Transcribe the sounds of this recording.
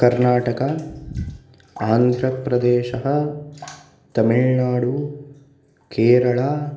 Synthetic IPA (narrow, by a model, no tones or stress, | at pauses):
kɐɾnaːʈɐkɐ | aːnd̪ʱɾɐpɾɐd̪ɛːʃɐɦɐ̆ | t̪ɐmiɭnaːɽu | keːɾɐɭaː